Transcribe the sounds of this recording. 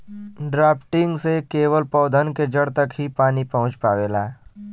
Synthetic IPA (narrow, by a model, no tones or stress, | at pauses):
ɖɾaːpʈɪ̃ŋɡsekeːwəlpɔːd̪ʱənked͡ʒəɽt̪ɐkɦipaːnipɐɦʊ̃t͡ʃpaːʋeːlaː